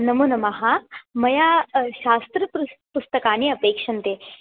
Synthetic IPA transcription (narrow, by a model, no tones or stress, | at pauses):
nɐmunɐmɐɦamɐjaːʃaːst̪ɾɐpupust̪ɐkaːniɐpeːkʂɐnt̪eː